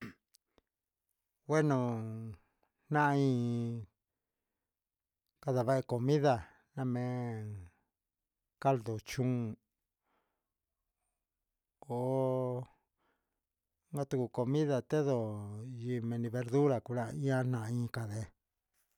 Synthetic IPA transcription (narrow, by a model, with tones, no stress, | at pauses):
we˦nõ˨ | n̥nã˦ʔĩː˦˧ | ka˧ða˨βa˦ʔe˧ko˨mĩ˦ða˧ | nã˦˧mẽ˧˦ | ka˦ld̪o˨t͡ʃũ˦˨ | o˨ | ŋɡa˦t̪u˧ku˧ko˧mĩ˦ða˧˨t̪e˦ðo˨ji˧mẽ˧nĩ˧βe˧ɾðu˦ɾa˨ku˧ɾa˦˧ĩ˦ã˦n̥ã˧ʔĩ˧ka˧ðe˧